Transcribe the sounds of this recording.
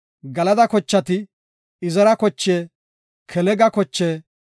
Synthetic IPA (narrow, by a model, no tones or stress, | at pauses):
ɡɐlɐd̪ɐkɔt͡ʃːɐt̪ɪ | ɪzɐɾɐkɔt͡ʃːeː | kʰɛlɛɡɐkɔt͡ʃːeː